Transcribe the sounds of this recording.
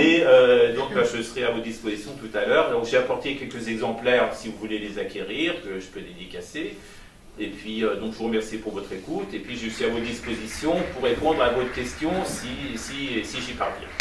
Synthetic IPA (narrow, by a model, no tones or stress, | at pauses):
eød̪ɔ̃k̚baʒəsəʁɛavot̪d̪ispozisjɔ̃t̪ut̪alœːʁd̪ɔ̃kʒeapɔʁt̪ekʲɛlkʲəzɛɡzɑ̃plɛʁsivuvulelezakʲeʁiʁkəʒəpød̪ed̪ikʲaseː | pɥiød̪ɔ̃kʒəvuʁəmɛʁsipuʁvɔt̪χekut̪epɥiʒesiavotd̪ispozisjɔ̃puʁepɔ̃d̪ʁavot̪əkʲɛst̪jɔ̃sisisiʒipaʁvjɛ̰̃